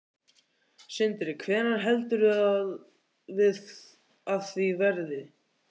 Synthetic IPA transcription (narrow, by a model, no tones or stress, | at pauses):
sɪnt̪ɾɪkʰvɛːnaɾɦɛlt̪ʏɾʏað | vɪð | aðθvivɛɾðɪ